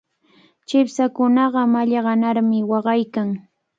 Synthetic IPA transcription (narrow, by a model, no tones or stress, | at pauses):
t͡ʃɪpsakʊnɑɢɑmaʎɑɢɑnaɾmɪwɑɢɑjkaŋ